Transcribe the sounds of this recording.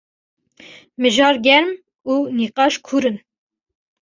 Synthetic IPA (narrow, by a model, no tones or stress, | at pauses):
mɨʒɑːɾɡʲɛɾm | uːniːqɑːʃkʰuɾɨn